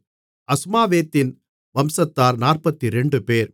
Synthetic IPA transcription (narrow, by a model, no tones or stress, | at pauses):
ɐsmaːʋeːt̪ːɪn | ʋɐmsɐt̪ːaːɾnaːrpɐt̪ːiɾɛɳɖɯpeːɾ